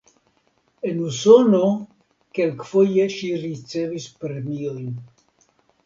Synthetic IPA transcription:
enusono | kelkfojeʃiɾit͡sevispɾemiojn

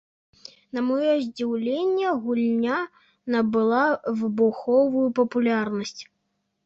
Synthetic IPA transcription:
nɐmɔjɔzʲd͡zʲiwlʲenʲːɐɣulʲnʲa | nɐbɨlˠavɨbuxɔvujupɐpulʲarnɐsʲt͡sʲ

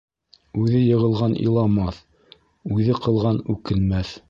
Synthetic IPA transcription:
ʉðɘjɤ̆ʁɤ̆lˠʁɑnḭlˠɑmɑθ | ʉðɘqʰɤ̆lˠʁɑnʉkɘ̆nmæθ

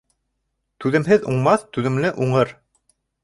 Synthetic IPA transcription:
t̪ʉðɘ̆mɦɘðuɴmɑθt̪ʉðɘ̆mlɘʔuɴɤɾ

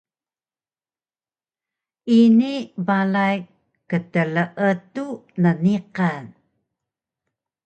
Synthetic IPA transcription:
inivalaj | kətələʔətunəniqan

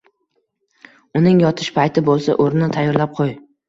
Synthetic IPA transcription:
ʊnɪŋjɒt̪ʰɪʃpajt̪ʰɪbolˠsa̰ʔoɾnɪt̪ʰajːɒɾlap̚qʰoj

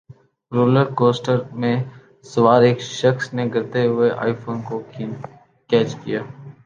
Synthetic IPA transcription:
ɾoːləɾkoːsʈəɾmẽ | sɐʋaːɾeːkʃəxsneɡɐɾt̪eɦʊeʔa̰ːɪfʰoːnko | kɛːt͡ʃkijaː

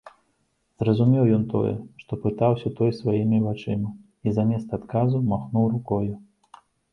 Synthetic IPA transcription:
zrɐzumʲɛwjɔnt̪ɔ̰jɛ̰ʂt̪ɔpɨt̪awsʲɐt̪ɔjsvajimʲivat͡ʂɨmɐ | izamʲɛst̪ɐːt̪kazumaxnuwrukɔju

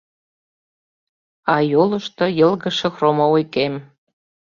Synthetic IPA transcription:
ɑjolɤ̆ʃt̪ojɤ̆lˠɣə̆ʃĕxromoujkem

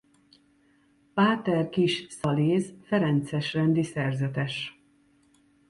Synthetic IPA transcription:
paːt̪ɛrkiʃsɒleːzfɛɾɛnt̪sɛʃrɛnd̪isɛrzɛt̪ɛʃ

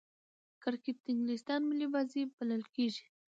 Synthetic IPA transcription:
kaɾkep̚t̪ɪŋɡlist̪ɑnmɪlibɑzibaləlkeʒi̥

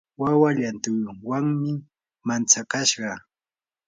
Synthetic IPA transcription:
wawaʎant̪ʊjwaŋmɪ | mant͡sakaʃɢɑ

